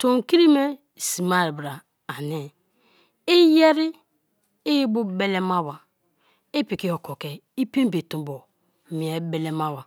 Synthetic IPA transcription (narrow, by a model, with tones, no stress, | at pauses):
to˨ŋ̩˨ki˦ɾi˦me˦˨ | si˨ma˦ɾbɾa˨ | a˨ni˨ | ɪ˦je˦ɾɪ˦ | ɪ˦ji˦bu˦be˦le˦ma˦wa˨ | ɪ˦pi˨ki˦ho˨ko˨ke˨ | i˦pe˦m˦be˨tũ˨bo˨ | mi˨e˨˦be˨le˦ma˦wa˨